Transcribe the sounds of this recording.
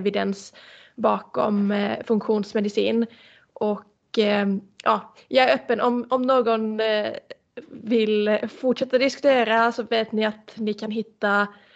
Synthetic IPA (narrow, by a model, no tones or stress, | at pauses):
vɪd̪ɛnsbɑːkɔ̰mfɵŋkɧuːnsmɛd̪ɪsiːn | ʔɔk | jʔɑː | jɑɡæɾœːpːənɔmɔmnoːɡɔn | vɪlfɔʈʂɛt̪ːad̪ɪskʉ̥t̪ʰeːɾasɔveːt̪nɪat̪nɪkʰanɦɪt̪ːa